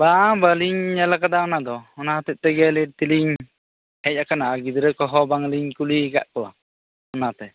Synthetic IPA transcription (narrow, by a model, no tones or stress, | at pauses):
babaliɲɲɛlakad̪aɔnad̪ɔɔnat̪ɛc̚ˀt̪ɛɡɛlit̪iliɲ | hɛc̚akanaaɡid̪ɾɛkɔɦɔbaŋliɲkulika̰ʔkɔwa̰ | ɔnat̪ɛ